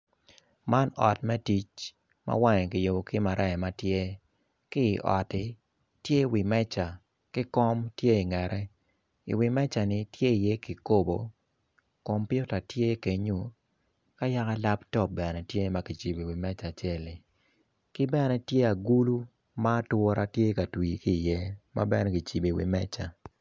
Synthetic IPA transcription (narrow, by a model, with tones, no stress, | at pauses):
ma˦nɔ̰˨tmɛ˦ti˦t͡ʃ | ma̰˦wa˦ŋɛ˨kɪ˨jo˨bo˨kɪ˦ma˨ɾʔɛ˦˨ma˦tje˦ | kɪ˦˨ʔɔ̰˨tɪ˨ | tje˦wi˨mɛ˦t͡ʃa˨ | kɪ˦kɔ˦mtje˦i˨ŋɛ˨ɾʔɛ˦ | ḭ˨wi˨mɛ˦t͡ʃa˨nɪ˨tje˦i˨je˦ki˨ko˦bo˨ | kɔ˨mpɪ˦o˦ta˨tje˦ke˨ɲu˦ | ka˦ja˦ka˦la˦ptɔ˦˨bɛ˨nɛ˨tje˦ma˦ki˨t͡ʃi˨bi˨wi˨mɛ˦t͡ʃa˨t͡ʃɛ˦li˨ | kɪ˦bɛ˦nɛ˦tje˦a˨ɡu˦lu˦ | maː˦twɔ˦ɾa˦tje˦ka˨twi˨kiː˦˨jɛ˦ma̰˦bɛ˦nɛ˦ki˨t͡ʃi˨bi˨wḭ˨mɛ˦t͡ʃa˨